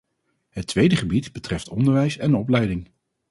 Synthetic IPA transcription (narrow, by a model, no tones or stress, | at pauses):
ɦətʋejdəχəbitbətrɛftɔndəɹʋɛjsɛnɔplɛjdɪŋ